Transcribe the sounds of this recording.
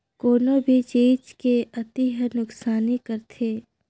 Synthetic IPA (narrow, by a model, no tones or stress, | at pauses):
koːnobʱit͡ʃeːt͡ʃkeɐt̪iɦənʊksaːnikəɾt̪ʰeː